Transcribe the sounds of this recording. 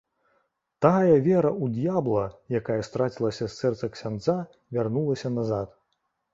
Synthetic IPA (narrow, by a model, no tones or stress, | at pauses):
t̪ajɐvʲɛɾɐʔud̪jablˠɐjakajɐst̪ɾat͡sʲilˠɐsʲɐsːɛrt̪sɐksʲandt̪sa | vʲarnulˠɐsʲɐnazat̪